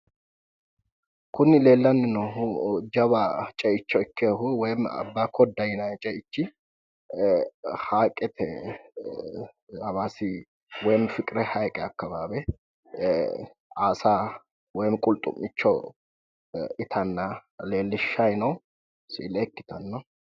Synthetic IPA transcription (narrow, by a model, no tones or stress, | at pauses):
kʊnːɪle̞ːlːɐnːɪnɐhʊd͡ʒɐβat͡ʃʼɛɪt͡ʃːɔɪkːeɦʊwɔjmːɐ̰bːakʰɔd̪ːɐjɪnɐt͡ʃʼɛɪt͡ʃːɪ | haːkʼɛt̪ʰɛ | ɐβasɪ | wɔjmfɪkʼɪɾɛhɐjkʼɛɐkːɐbaːbɛ | aːsa | wɔjmkʼʊlt̪ʼʊ̰mːɪt͡ʃːɔ | ɪt̪ʰɐnːɐle̞ːlːɪʃːɐjnɐw | sḭːlɛkːɪ̥t̪ʰɐnːɐ